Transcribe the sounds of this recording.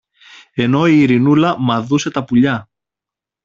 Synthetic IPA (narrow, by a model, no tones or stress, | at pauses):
e̞no̞iːɾinulɐmɐðuse̞t̪ɐpuʎɐ